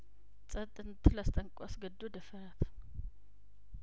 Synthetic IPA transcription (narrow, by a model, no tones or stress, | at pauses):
t͡sʼɐt̪ʼːɨnt̪ʰɨlast̪ʼəŋkʷʼasɡəd̪ːod̪əfəɾat̪ʰ